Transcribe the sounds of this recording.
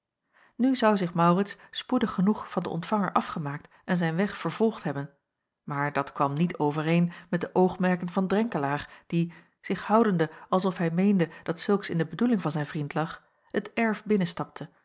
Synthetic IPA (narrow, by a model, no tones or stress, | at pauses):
nyzʌwzɪχmɑwrɪtsspudəχːənuχfɑndə̰ʔɔ̰ntfɑŋəɹʔɑfχəmaːk̚t | ʔɛnzɛjnʋɛχfəɹv̥ɔlˠχtɦɛbən | maːɹdɑtkʋɑmnitʰowvəɾejnmɛt̚dəʔowχmɛɹkənvɑndrɛŋkəlaːχd̥i | z̥ɪχhʌwdəndəʔɑlˠsɔfɦɛjmejndəd̥ɑtsɵlˠksɪndəbədulɪŋvɑnzɛjnvrintlɑχ | hətɛɹfbɪnənstɑp̚tʰə